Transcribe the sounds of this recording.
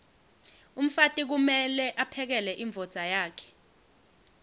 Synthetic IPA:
um̩fatʼik̬umɛlɛʔapʰɛk̬ɛlɛʔiɱb̪vʱɔd̥z̥ʱajaːkʰɛ̥

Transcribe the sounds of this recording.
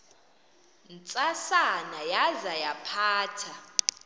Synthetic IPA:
nt͡sʼasanajazajapʰaːtʰa

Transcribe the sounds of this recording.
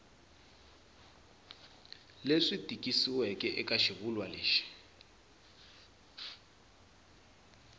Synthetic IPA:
leʂidʱʼikʼisiwɛkʼɛʔɛkʼaʃiβulwaleːʃɛ̥

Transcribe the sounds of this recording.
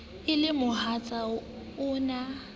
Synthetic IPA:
ɪlɪmʊhat͡sʼa | ʊːna

